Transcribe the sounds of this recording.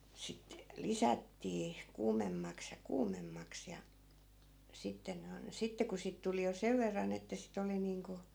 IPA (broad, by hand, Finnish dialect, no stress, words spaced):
sit lisætːiː kuːmemːɑks jɑ kuːmemːɑks jɑ sitːen ne on sitːe ku siːt tuli jo seʋ ʋerːɑn etːæ sit oli niːŋku